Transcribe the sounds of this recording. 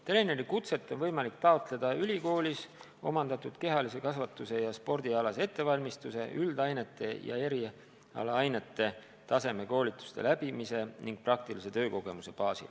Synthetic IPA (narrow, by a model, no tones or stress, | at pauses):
t̪e̞le̞neɾikut̪se̞t̪ˑːonvɤjmɑlik̚t̪ɑot̪ˑle̞d̪̥ɑylʲiko̞ːlʲis | o̞̰mɑnd̪̥ɑt̪ˑud̪̥ke̞ɦɑlise̞kɑsvɑt̪ːˑuse̞jɑspo̞rd̪iɑlɑse̞t̪ːe̞vɑlʲmist̪use̞̰ʔyld̪ɑjne̞t̪ːˑe̞jɑ̰e̞ɾi | ɑ̰lɑɑjne̞t̪ːˑe̞ | t̪ɑse̞me̞ko̞ːlʲit̪ːˑu̥st̪e̞̰læb̥imise̞niŋɡ̥̚prɑk̚t̪ilise̞t̪ø̞ːko̞ɡ̥e̞muse̞pɑːsḭ